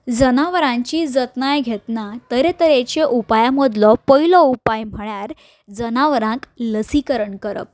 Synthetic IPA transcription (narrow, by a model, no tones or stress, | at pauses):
d͡zənaʋɾãɲt͡ɕiːd͡zət̪najɡʱet̪nat̪əɾet̪əɾet͡ɕeʔupajamod̪lɔpəilɔupajm̤əɭjaɾ | d͡zənaʋəɾãkləsikəɾəɳkəɾə̰p̚